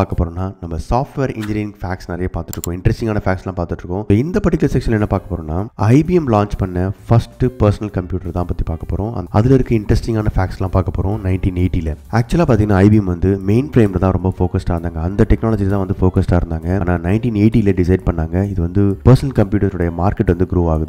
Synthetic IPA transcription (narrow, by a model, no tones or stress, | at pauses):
aːɾkɐpːoːɾõːnːaːnɐmːɐsaːfʈʋeːɾɪɲd͡ʒɪɾɪfaːksnɪɾɐjapaːɾt̪ɯʈːɾɯkːʊ̃ɪɳɖɾɛsʈɪŋɡaːnɐfaːkslãːpaːɾt̪ɯʈːɾɯkːʊ̃ɪnd̪ɐpɐʈːɪkːɐlɐsɛkʂɐnɛnːɐpaːɾkɐpːoːɾõːnːaːɐɪbiɛmlaːɲt͡ʃpɐɳːɐfɐsʈpɐɾsɐnɐlkɐmpjuːʈɐɾt̪ãːpɐt̪ːipaːɾkɐpːoːɾõʔɐ̰nɐ̰ðɪlɪɾɯkːɯɪɳɖɾɛsʈɪŋɡaːnɐfaːkslãːpaːɾkɐpːoːɾõnɐɪnʈiːneɪʈːilɐæːk̚t͡ʃʊɛlaːpaːt̪iŋɡɐnːaːɐɪbiɛmʋɐnd̪ɯmeɪnfɾeːmlɐt̪ãːɾɔmbɐfoːkɐsʈaːɾɯnd̪aːŋɡɐɐnd̪ɐʈɛknaːlɔd͡ʒilt̪ãːʋɐnd̪ɯfoːkɐsʈaːɪɾɯnd̪aːŋɡɐːnaːnɐɪnʈiːneɪʈilɐɖɪsɐɪɖ̚pɐɳːaːŋɡɐɪðɯʋɐnd̪ɯpɐɾsɐnɐlkɐmpjuːʈɐɾsʊɽɐjɐmaːɾkɛʈːʋɐnd̪ɯɡɾoːʋaːɣɯðɯ